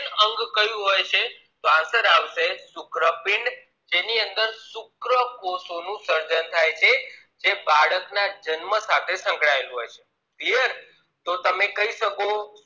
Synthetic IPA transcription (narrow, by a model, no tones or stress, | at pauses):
nəŋɡkəjũɦojt͡ʃʰe | t̪oãsəɾaʋʃesʊkɾəpɪɳɖ | d͡ʒeniənd̪əɾsʊkɾəkosonũsəɾd͡ʒənt̪ʰajt͡ʃʰe | d͡ʒebaɭəknad͡ʒənməsat̪ʰesə̃ŋkɭaelũɦojt͡ʃʰe | t̪iəɾ | t̪ot̪əmekəɦiʃəko